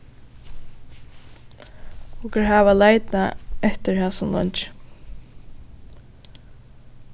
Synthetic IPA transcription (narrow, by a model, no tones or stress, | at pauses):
ʊkəɹɦaːʋalaːjt̪naɛht̪ɪɹhɛːsʊmlɔ̰ɲt͡ʃ